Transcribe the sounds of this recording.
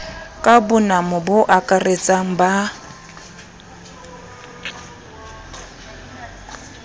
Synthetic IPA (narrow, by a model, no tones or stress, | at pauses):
kʼabʊnamʊbʊʔakʼaret͡sʼaŋ̩ba